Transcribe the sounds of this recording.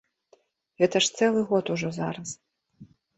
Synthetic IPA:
ɣɛt̪ɐʂt̪sɛlˠɨɣɔt̪uʐɔzaɾɐs

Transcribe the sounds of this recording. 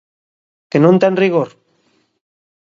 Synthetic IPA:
kenõnt̪enriɣ̞oɾ

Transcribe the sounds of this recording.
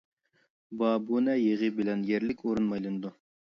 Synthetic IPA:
bɑːbunɛjeʁɨbɪlɛnjeɾlɪkʲʰoɾunmɑjlˠɨnɨd̪u

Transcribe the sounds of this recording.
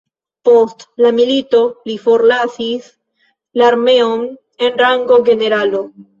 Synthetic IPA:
post̪lamilit̪olifoɾlasis | laɾmeom | enraŋɡoɣeneɾalo

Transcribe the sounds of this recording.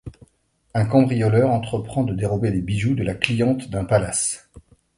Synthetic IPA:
ɛ̃kɑ̃bʁijɔlœʁɑ̃t̪χəpχɑ̃d̪əd̪eʁɔbelebiʒud̪əlaklijɑ̃t̪d̪ɛ̃palas

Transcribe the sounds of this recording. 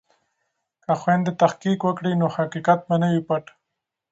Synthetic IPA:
kaxwend̪et̪axqikwəkɽinohaqiqat̪̚banawipaʈ

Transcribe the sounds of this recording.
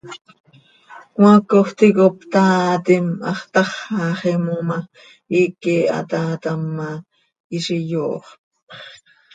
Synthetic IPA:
kwɑ̃koχt̪ikopt̪aːt̪imɑ̰χt̪ɑχɑχimuma | ikia̰t̪aːt̪amːa | iʃijoːχ

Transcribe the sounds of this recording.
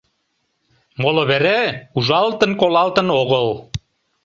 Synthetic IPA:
moloβeɾeuʒɑlt̪ənkolɑlt̪ə̆noɣəl

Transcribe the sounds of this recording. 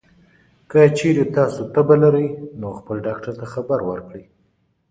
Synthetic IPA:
kət͡ʃeɾet̪ɑsot̪əbalaɾəjnoxpəlɖɑkʈaɾt̪axabaɾwəɾkɽəj

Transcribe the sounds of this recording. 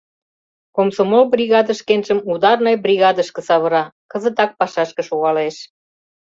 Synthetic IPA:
komsomolbrʲiɣɑd̪ə̆ʃkenʒəmud̪ɑrnɤjbrʲiɣɑd̪əʃkə̆sɑβəɾɑkə̆zət̪ɑk̚pɑʃɑʃkə̆ʃoɣɑleʃ

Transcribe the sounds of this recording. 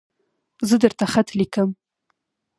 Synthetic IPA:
zəd̪əɾt̪aχat̪likəm

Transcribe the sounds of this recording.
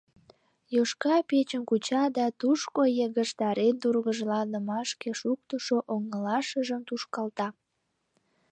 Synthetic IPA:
joʃkɑpet͡ɕənkut͡ɕɑd̪ɑt̪uʃkojəɣəʃt̪ɑɾend̪urɣəʒlɑnəmɑʃkeʃuk̚t̪əʃoʔoŋəlɑʃəʒəmt̪uʃkɑlt̪ɑ

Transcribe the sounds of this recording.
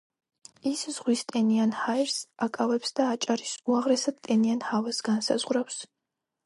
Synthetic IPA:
iszʁwist̪ʼɛnianhajɾsakʼavɛpsd̪̥aːt͡ʃʼaɾisuaʁɾɛsad̪t̪ʼɛnianhavɛsɡansa̰zʁɾaws

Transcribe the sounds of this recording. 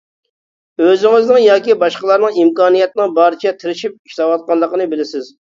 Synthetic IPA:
øzɪŋɪznɨŋjɑːkʲibɑʃqəlˠɑɾnɨŋimkɑːnijɛt̪nɨŋbɑɾt͡ʃʰɛt̪ʰɪɾɪʃip̚i̥ʃt̪ɑwɑt̪̚qɑnlˠːəqənɨbɪlɪsɪz

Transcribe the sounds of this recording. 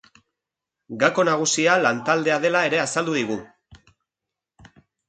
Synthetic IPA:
ɡako̞naɣ̞usialant̪ald̪e̞aðe̞lae̞ɾe̞asald̪uðiɣ̞u

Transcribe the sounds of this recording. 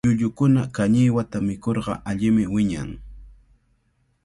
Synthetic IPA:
ʊʎʊkʊnakaɲɪjwat̪amɪkoɾɢɑ̰ʔaʎɪmɪwɪɲa̰ŋ

